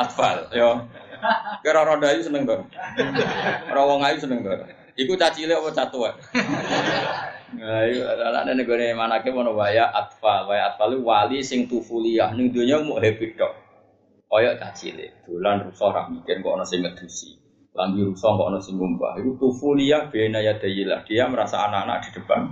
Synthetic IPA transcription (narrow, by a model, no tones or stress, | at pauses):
at̪faljɔ | keɾɔɾɔdajusənəŋt̪ɔr | rɔwɔŋajusənəŋt̪ɔɾ | ikut͡ʃat͡ʃileɔpɔt͡ʃat̪uɛʔ | ŋajuana̰ʔnenəɡonemanakemɔnɔwajaʔat̪̚falwajaʔat̪̚faluwalisɪŋt̪ufuliahnɪŋd̪oɲɔmuʔɦepiʈɔʔ | ɔjɔʔt͡ʃa̰t͡ʃḭlɪ̰d̪̥o̤lanrusɔhɾa̰hmikɪnŋkɔʔnɔsɪŋməd̪̥usḭ | lambiɾusɔhŋkɔ̰ʔɔnɔsɪŋumba̰hikut̪ufulijahb̥enajad̪̥a̤jila̰hɡ̥ijaməɾasa̰anaʔana̰ʔd̪̥i̤d̪̥ə̤b̥a̰n